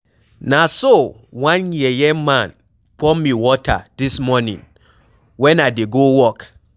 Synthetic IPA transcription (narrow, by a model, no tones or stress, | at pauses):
nãsowãnjɛjɛmãn | pʰɔmːĩwɔtʰa̰dismɔnḭ̃n | wɛ̃nadeɡowɔk